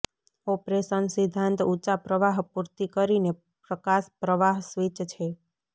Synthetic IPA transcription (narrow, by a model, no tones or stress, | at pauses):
ɔpɾesənsid̪ʱːãnt̪ut͡ʃapɾəʋaɦpuɾt̪ikəɾine | pɾəkaʃpɾəʋaɦsʋit͡ʃt͡ʃʰe